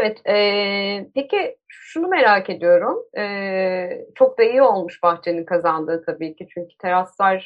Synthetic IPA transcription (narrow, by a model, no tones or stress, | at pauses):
evɛt̪ɛpeciʃunume̞ɾaːce̞d̪ijo̞ɾumɛː | t͡ʃʰo̞k̚d̪ajio̞lˠmuʃbaxt͡ʃʰe̞ninkʰazand̪ɯːt̪ʰabiːcʰit͡ʃʰyɲcy̥t̪ʰeɾaslˠaɾ̥